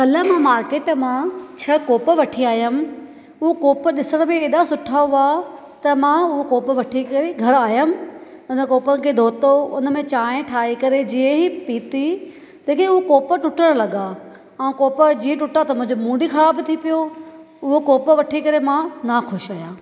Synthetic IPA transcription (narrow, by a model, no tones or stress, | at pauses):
kɐləmãmaːɾkeːʈmãt͡ɕʰɐkoːpəʋɐʈʰiaːijəm̆ | ʊɦokoːpɗɪsəɽ̃beeːɗasʊʈʰauaː | t̪ɐmãʊɦokoːpəʋɐʈʰikɐɾeɡʱɐɾaːjəm̆ | ʊnəkoːpənɪ̆kʰeːd̪ʱoːt̪oʊnə̆mẽt͡ɕaːẽʈʰaːikɐɾed͡ʑiːə̃ɦipiːt̪i | t̪ɐːkeʊɦokoːpəʈʊʈəɽ̃lɐɠa | aːũkoːpəd͡ʑiːẽʈʊʈat̪ɐmʊ̃ɦɪ̃ɲd͡ʑomũːɖikʰɐɽaːbɪt̪ʰipijo | ʊɦokoːpəʋɐʈʰikɐɾemãnakʰʊʃaːjaː